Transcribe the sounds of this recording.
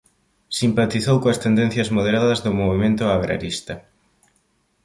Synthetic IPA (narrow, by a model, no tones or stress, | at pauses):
simpat̪iθowkoɐst̪end̪ẽn̟θjɐzmoð̞eɾaðɐzðʊmoβimẽnt̪ʊaɣɾa̰ɾist̪ɐ